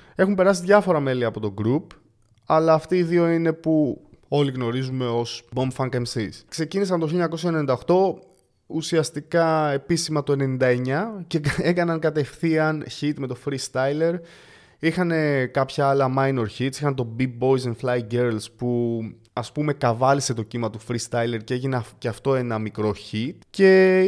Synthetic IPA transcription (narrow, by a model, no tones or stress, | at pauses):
e̞xumpe̞ɾɐsiðʝɐfo̞ɾɐme̞liɐpo̞t̪o̞ɡɾup | ɐlɐːft̪iːðio̞ine̞pu | o̞liɣno̞ɾizume̞o̞sbo̞mbfɐŋkemsiskse̞cinisɐnt̪oçiljoɲɐko̞sçɐenenind̪ɐoxt̪o̞ | usiɐst̪ikɐe̞pisimɐt̪o̞e̞ne̞nind̪ɐe̞ɲɐcee̞kɐnɐŋkɐt̪e̞fθiɐnçit̪me̞t̪o̞fɾist̪ɐjle̞ɾ | ixɐne̞kɐpçɐɐlɐmɐjno̞ɾçit̪sixɐnt̪o̞bibo̞jsenflɐjɡeɾlspu | ɐspume̞kɐvɐlise̞t̪o̞cimɐt̪ufɾist̪ɐjle̞ɾceeʝinceɐft̪o̞e̞nɐmikɾo̞çit̪ce̞